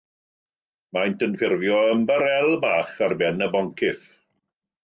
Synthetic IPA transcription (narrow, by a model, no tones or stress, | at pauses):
majntənfɪrvjɔəmbəɾɛlˠbaːχarbɛnəbɔŋkʰɪθ